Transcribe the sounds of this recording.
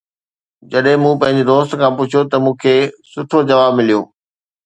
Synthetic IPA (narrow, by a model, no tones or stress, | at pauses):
d͡ʑɐɗɦɪ̃mũpɐ̃ɦɪ̃ɲ̆d͡ʑed̪oːst̪kʰãːpʊt͡ɕʰot̪ɐmũːkʰeːsʊʈʰod͡ʑɐʋaːbmɪlijo̰ː